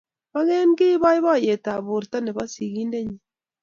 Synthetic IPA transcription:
βa˦ɣe˦nɡe˦βa˦i˦βa˦˨je˨ta˨βo˨ɾta˦ne˨βa˦si˨ɣi˦nde˦ɲi˨

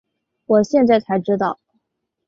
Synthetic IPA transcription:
wɔ˨˩ɕjɛ˥˧nt͡sa˥˩ɪt͡s̪ʰa˧˥ɪʈ͡ʂɻ̩˥t̪ɑ˥˩ʊ

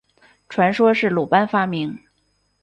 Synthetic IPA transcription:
ʈ͡ʂʰwa˧˥nʂwɔ˥ʂɻ̩˥˩lu˨˩pa˥nfa˥mi˧˥ŋ

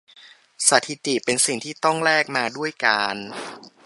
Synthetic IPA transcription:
sa˨˩t̪ʰi˧˥t̪i˨˩pe˧nsi˨˩ŋt̪ʰiː˥˩t̪ɔ˥˩ŋɾɛː˥˩k̚maː˧du˥˩əjkaː˧n

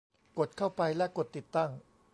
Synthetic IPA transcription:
ko˨˩t̪̚kʰa˥˩wpa˧jlɛ˦˥ko˨˩t̪ːi˨˩t̪ːa˥˩ŋ

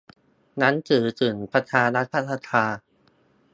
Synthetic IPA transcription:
na˦˥nt͡ɕɯː˨˩˦t͡ɕɯː˨˩npɾa˧t͡ɕ̪ʰaː˧ɾa˦˥t̪̚pʰa˧˥t̪ʰa˧˥t̪ʰaː˧

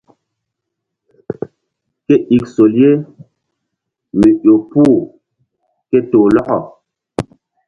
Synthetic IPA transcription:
ke˦ʔi˨kso˨lje˦ | me˨ʔo˨puː˦˨ | ke˦toː˨lɔ˦ɣɔ˨

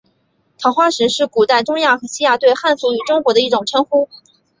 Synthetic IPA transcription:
t̪ʰɑ˨˩ʊxwa˥˩ʂɻ̩˧˥ʂɻ̩˥˩ku˨˩t̪a˥˩ɪʈ͡ʂʊ˥ŋja˥˩xɤ˧˥ɕi˥ja˨˩t̪we˥˧ɪxa˥˧nfu˧˥y˨˩ʈ͡ʂʊ˥ŋkwɔ˧˥d̪ə˧i˥˩ʈ͡ʂʊ˨˩ŋʈ͡ʂʰɤ˥ŋxu˥

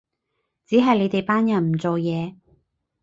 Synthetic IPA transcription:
t͡siː˨˥ɦɐ˨jle˨˧jt̪e˨jpaː˥njɐ˨˩nm̩˨˩t͡so˨wjɛː˨˧

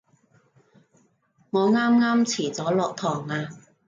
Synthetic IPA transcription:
ŋɔː˨˧ŋaː˥mŋaː˥mt͡sʰiː˨˩t͡sɔː˨˥lɔː˨k̚t̪ʰɔː˨˩ŋaː˧

